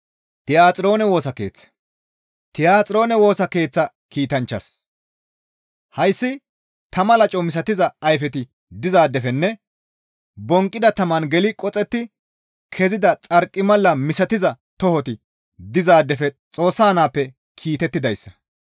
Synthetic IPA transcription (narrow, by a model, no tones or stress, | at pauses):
t̪ɪjaːt͡sʼɪɾo̞ːnɛwo̞ːsɐke̞ːt͡sːɐ̥ | t̪ɪjaːt͡sʼɪɾo̞ːnɛwo̞ːsɐke̞ːt͡sːɐ | kiːt̪ɐnt͡ʃːɐs | hɐjsːɪ | t̪ɐmɐlɐt͡ʃʼɔmɪs̬ɐt̪ɪzɐːjfɛt̪ɪ | d̪ɪzaːd̪ːɛfɛnːɛ | bɔŋkʼːɪd̪ɐt̪ɐmɐnɡɛlɪkʼɔt͡sʼɛt̪ːɪ | kʰɛzɪd̪ɐt͡sʼɐɾkʼːɪmɐlːɐmɪsɐt̪ɪzɐ | t̪ɔhɔt̪ɪ | d̪ɪzaːd̪ːɛfɛt͡sʼo̞ːsːaːnaːpːɛ | kʰiːt̪ɛt̪ːɪd̪ɐjsːɐ̥